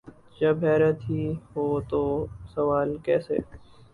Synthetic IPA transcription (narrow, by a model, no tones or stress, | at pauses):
d͡ʒɐbɦɛːɾet̪ʰiːɦoːt̪oːsɐʋaːlkɛːsḛː